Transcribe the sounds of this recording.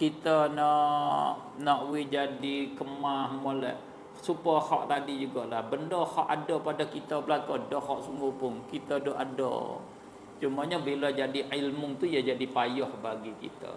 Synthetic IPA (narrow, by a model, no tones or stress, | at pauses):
kit̪ənɔʔ | nɔʔwɪd͡ʒadikəmahmolɛ̰ʔ | supahɔ̰ʔt̪adid͡ʒuɡɔʔlahbəndɔhɔʔadɔpadakit̪əbəlakodɔhɔʔsuŋɡʊpʊŋkit̪ədoʔa̰dɔ̰ | t͡ʃumaɲabilad͡ʒadiilmʊŋt̪ujad͡ʒadipajɔhbaɡikḭt̪a̰